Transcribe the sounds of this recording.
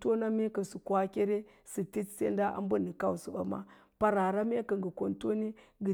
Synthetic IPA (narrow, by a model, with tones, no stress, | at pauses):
to˦na˦me˦ka˨su˨kwa˦kʲe˦ɾe˦ | si˨ti˦tsḛ˦nda˦ʔa̰˦m˦bu˦ni˨ka˦wsu˨ba̰˨ma̰˦ | pa˨˦ɾa˨ɾa˦me˦ka˨ŋɡi˨ko˨nto˦ni˦ɡə˨